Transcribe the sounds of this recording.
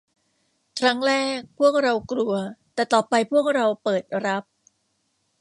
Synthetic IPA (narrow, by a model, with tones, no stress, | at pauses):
kʰɾa˦˥ŋɾɛː˥˩k̚pʰu˥˩ək̚ɾa˧wkɾu˧ɐt̪ɛː˨˩t̪ɔː˨˩pa˧jpʰu˥˩ək̚ɾa˧wpɤː˨˩t̪̚ɾa˦˥p̚